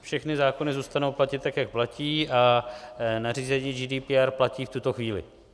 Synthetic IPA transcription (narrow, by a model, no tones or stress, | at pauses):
fʃɛxnɪzaːko̞nɪzuːst̪anowplacɪt̪t̪akjak̚placiːʔa | nar̝iːzɛɲiːd͡ʒiːdiːpiaɾplaciːft̪ut̪o̞xviːlɪ̰